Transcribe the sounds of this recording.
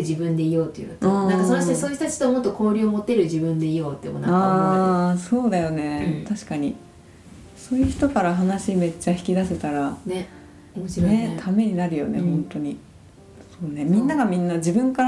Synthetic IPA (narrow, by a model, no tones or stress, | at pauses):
ɯʑibɯ̟̃nd̪e̞ijo̞ːt̪ːeɯ̟̰jt̪ːãŋkasot̪esoçt̪at͡ɕi̥t̪omot̪ːoko̞ːɾʲɯomo̞t̪ːe̞ɾɯ̟d͡ʑibɯ̟̃nd̪e̞ijo̞ːt̪ːemonaaːso̞ːd̪ajo̞ne̞t̪aɕi̥kaɲ̟i | so̞ːjɯ̟çi̥t̪o̞kaɾaɦanaɕime̞t͡ɕːaçi̥kʲid̪aset̪aɾane | omot͡ɕiɾet̪ʰame̞ɲ̟inaɾɯ̟jo̞̰ne̞̰hõ̞nt̪o̞ɲ̟i | so̞ːne̞mʲĩnːaɡamʲĩnːad͡ʑibɯ̟̃ŋkaɾ